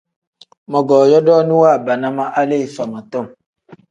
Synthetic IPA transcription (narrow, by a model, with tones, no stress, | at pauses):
mɔ˨ɡɔː˨jɔ˦dɔː˦nũ˦wa˦˨ba˨na˦ma˦ʔa˦le˦˨i˨fa˨ma˨tɔ˦˨m